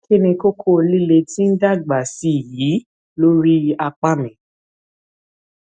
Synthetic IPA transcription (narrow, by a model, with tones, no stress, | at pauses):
kʰi˦nĩ˧ko˦kʰo˦˧li˦le˧tĩ˦n̩˦da˦˨ɡ͡ba˨si˦˨ji˨˦ | lo˦ɾi˦a˧k͡pa˦mĩ˨